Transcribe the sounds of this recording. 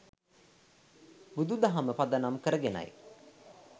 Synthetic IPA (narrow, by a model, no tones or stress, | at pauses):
bud̪ud̪aɦaməpad̪anamkəɾəɡena̰j